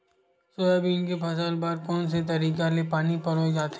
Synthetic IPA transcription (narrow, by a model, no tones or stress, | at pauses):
soebʱinkepʰɐsaːlbaːɾkɔːns̬et̪̬ɐɾiːkalepaːnipɐɾɦod͡ʒaːt̪ː